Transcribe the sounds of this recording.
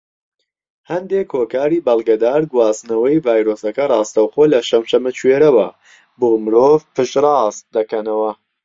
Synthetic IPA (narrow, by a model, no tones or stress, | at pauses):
hɐnd̪ekhoːkaːɾiːbɐlˠɡɐd̪aːɾɡwɑːznɐwɐjvaːjɾosɐkɐrˤɑːst̪awxolɐʃɐmʃɐmɨt͡ʃweːɾɐwɐ | boːmɨɾoːvpɨʃrˤɑːst̪̚d̪ɐkɐnɐwɐ